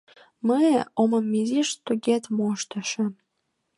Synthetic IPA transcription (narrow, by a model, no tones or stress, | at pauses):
məoməmːiziʃt̪oɡet̪moʃt̪ɑʃə̆